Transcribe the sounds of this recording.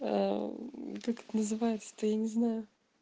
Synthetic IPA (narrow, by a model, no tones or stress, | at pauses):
a̰ | kakɛ̥t̪ənəzɨvajɪt̪sə̥t̪əjanʲɪznajʊ